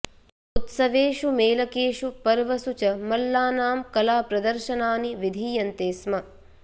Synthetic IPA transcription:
ut̪sɐʋeːʂumeːlɐkeːʂupɐɾʋɐsut͡ʃɐmɐlːaːnaːmkɐlaːpɾɐd̪ɐɾʃɐnaːniʋid̪ʱiːjɐnt̪eːsmɐ

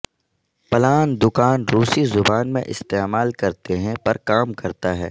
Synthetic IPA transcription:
pɐlaːnd̪ʊkaːnɾuːsizʊbaːnmḛ̃ʔɪ̰st̪eːmaːlkɐɾt̪eɦɛ̃pɐɾkaːmkɐɾt̪aɦɛː

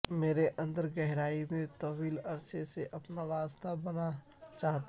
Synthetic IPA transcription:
meːɾeʔə̃nd̪əɾɡɛɦɾaːimẽt̪ɐʋiːlɐɾseseʔɐpnaɾaːst̪abɐna | t͡ʃaːɦt̪

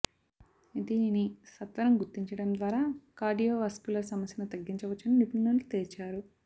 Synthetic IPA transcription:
id̪iːninisɐt̪ʋɐɾɐmɡuɾt̪ːiɲt͡ʃɐɽɐmd̪ʋaːɾaːkaːɾɖijoːʋɐskuːlɐɾsɐmɐsjɐnut̪ɐɡːiɲt͡ʃɐʋɐt͡ʃːɐninipunːɐllut̪eːɾt͡ʃaːɾu

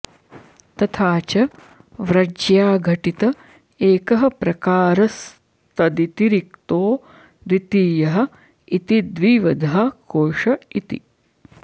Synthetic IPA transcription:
t̪ɐt̪ʰaːt͡ʃɐ | ʋɾɐd͡ʒjaːɡʱɐʈit̪ɐ | eːkɐɦɐ̆pɾɐkaːɾɐs | t̪ɐd̪it̪iɾikt̪oː | d̪it̪iːjɐɦɐ̆ | it̪id̪ʋiːʋɐd̪ʱaːkoːʂɐit̪ḭ

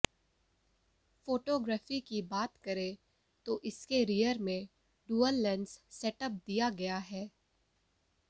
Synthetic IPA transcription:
foːʈoːɡɾaːfikibaːt̪kɐɾe | t̪oʔɪskeɾijəɾmẽ | ɖuːəlːɛ̃nssɛʈəp̚d̪ijaɡɐjaɦɛː

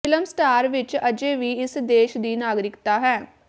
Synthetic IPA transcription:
ɪləmsʈaːɾʋɪt͡ʃəd͡ʒeːʋiːɪsd̪eːʃd̪iːnaːɡɾɪkt̪aːɦɛː

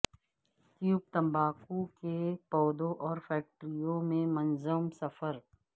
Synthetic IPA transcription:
k̪juːb̚t̪ɐ̃mbaːkukepɔːd̪oʔɔːɾfɛːk̚ʈɾijõmẽmɐnzəmsɐfəɾ

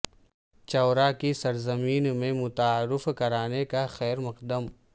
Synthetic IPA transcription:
t͡ʃɔːɾakisɐɾzɐmiːnmẽmʊt̪aaːɾːɪfkɐɾaːnekaxɛːɾmɐqd̪əm

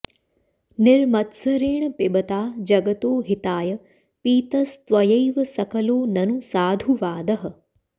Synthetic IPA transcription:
nɪɾmɐt̪səɾeːɳ̃pɪbət̪aːd͡ʒɐɡət̪oːɦɪt̪aːjə | piːt̪ɐst̪ʋɐjɐjʋɐsɐkəloːnɐnusaːd̪ʱuʋaːd̪ɐɦɐ̆

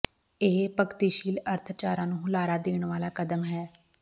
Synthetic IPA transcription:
eɦpəkt̪iːʃiːləɾt̪ʰt͡ʃaːɾãːnũːɦʊlaːɾaːd̪eːɳʋaːlaːkəd̪əmɦɛː

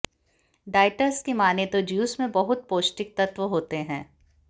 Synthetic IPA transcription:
ɖaːɪʈəɾskimaːnet̪od͡ʒjuːsmẽbɐɦʊt̪̚poːʃʈɪk̚t̪ɐt̪ʋəɦoːt̪eɦɛ̃ː

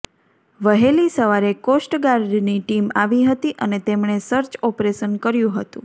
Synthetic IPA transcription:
ʋəɦelisəʋaɾekosʈɡaɾɖniʈimaʋiɦət̪iʔənet̪emɳ̃esəɾt͡ʃɔpɾeʃənkəɾjũɦət̪ṵ̃

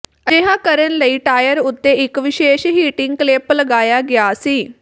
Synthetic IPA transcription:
əeːɦãːkəɾənləiːʈaːjəɾʊt̪ːeːɪkʋɪʃeːʃɦiːʈɪŋɡ̚kleːpləɡaːjaːɡɪaːsiː

